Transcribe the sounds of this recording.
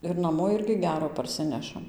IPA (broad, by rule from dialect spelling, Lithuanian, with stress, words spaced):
ɪr nɐˈmoː ˈɪrʲɡʲɪ ˈɡʲæːroː pɐrʲˈsʲɪnʲɛʃɐm